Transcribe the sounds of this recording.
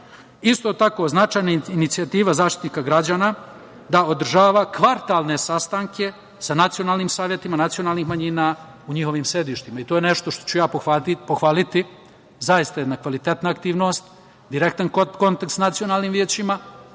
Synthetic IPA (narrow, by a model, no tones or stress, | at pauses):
ist̪o̞ːt̪ako̞znat͡ʃaːjnainit̪siat̪iːʋazaːʃt̪it̪niːkaɡɾad͡ʑaːna | d̪aod̪r̩ʒaːʋakʋaɾt̪aːlˠne̞sast̪aŋkʰe̞ | sanat̪sijo̞naːlˠniːmsaːʋjet̪imanat̪sio̞naːlˠnixmaɲina | uɲixo̞ʋiːmsɾe̞d̪iʃt̪imait̪oːjene̞ʃt̪oʃt̪o̥t͡ʃujaːpopoxʋaːlit̪i | zajist̪ajed̪nakʋalit̪et̪naːkt̪iːʋno̞st̪ | d̪iɾek̚t̪anko̞nt̪akt̪snat̪sijonaːlniːmʋjeːt͡ɕima